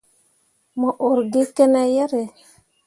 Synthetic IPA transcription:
mɔ˨ʔo˨ɾɡi˦kɛ˦nɛ˦jɛ˦ɾe˨

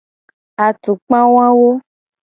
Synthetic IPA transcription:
a˨tu˨k͡pã˦w̃ã˦wo˦

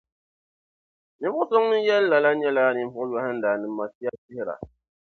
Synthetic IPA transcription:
ni˨˦bʊ˦so˦ŋnɨ˦n˦jɛ˦lla˨la˦ɲɛ˦la˦˨ni˨m˦fʊ˦jɔ˨˦ha˦n̩˦daː˨nɨ˨mː˦a˨si˦a˦si˦hɪ˦ɾa̰˨

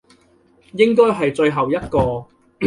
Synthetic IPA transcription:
jɪ˥ŋkɔː˥jɦɐ˨jt͡ʃɵ˧ɥɦɐ˨wjɐ˥t̚kɔː˧

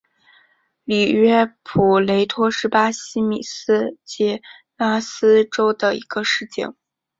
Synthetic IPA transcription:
li˨˩ɥɛ˥pʰu˨˩le˧˥ɪt̪ʰwɔ˥ʂɻ̩˧˥pa˥ɕi˥mi˨˩s̩˥t͡ɕɛ˧˥ | la˥sɹ̩˥ʈ͡ʂo˥ʊd̪ə˨ḭ˧˥ɡ̥ə˧ʂɻ̩˥˩t͡ɕḭ˥˩ŋ

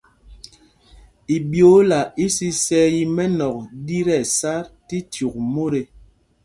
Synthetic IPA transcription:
i˨bjo˨˦la˨i˦si˦sɛ˦ji˦mɛ˦nɔ˨k̚di˦ɾɛ˦˨sa˦ɾti˦tju˨k̚mo˦ɾe˨

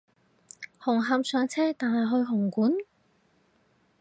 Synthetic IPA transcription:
hʊ˨˩ŋɦaː˨msœː˨˥ŋt͡sʰɛː˥t̪aː˨nɦɐ˨jɦɵ˧ɥɦʊ˨˩ŋkuː˨˥n

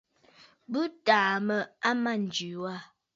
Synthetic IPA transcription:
bʉ˦taː˨mə˨a˦ma˦˨n̩˨d͡ʒʉ˨wa˦˨

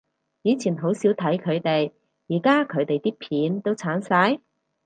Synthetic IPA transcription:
jiː˨˧t͡sʰiː˨˩nɦo˨˥wsiː˨˥wt̪ʰɐ˨˥jkʰɵ˨˧ɥt̪e˨j | jiː˨˩kaː˥kʰɵ˨˧ɥt̪e˨jt̪iː˥pʰiː˨˥nt̪o˥wt͡sʰaː˨˥nsɐ˨˥j

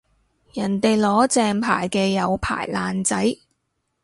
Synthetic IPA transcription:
jɐ˨˩nt̪e˨jlɔː˨˥t͡sɛː˧ŋpʰa̰ː˨˩jkɛː˧jɐ˨˧wpʰa̰ː˨˩jlaː˨nt͡sɐ˨˥j

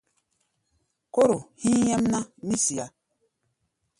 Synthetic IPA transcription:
ko˦ɾo˨hĩ˦jɛ˦mna˦ni˦si˨a˨˦

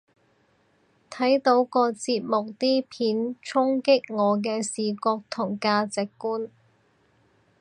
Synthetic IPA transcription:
t̪ʰɐ˨˥jt̪o˨˥wkɔː˧t͡siː˧p̚mʊ˨k̚t̪iː˥pʰiː˨˥nt͡sʰʊ˥ŋkɪ˥k̚ŋɔː˨˧k̬ɛː˧siː˨˩kɔː˧k̚t̪ʰʊ˨˩ŋkaː˧t͡sɪ˨kːuː˥n

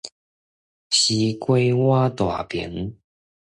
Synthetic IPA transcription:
ɕi˧˦kwe˥˦ɪwa˦t̪wa̰˨˩pjḭ˨˦ŋ

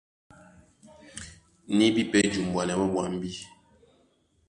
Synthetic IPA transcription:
ni˦bi˦pɛ˦d͡ʒu˨m˨bwa˨nɛ˨˦bə˦bwa˨m˦bi˦

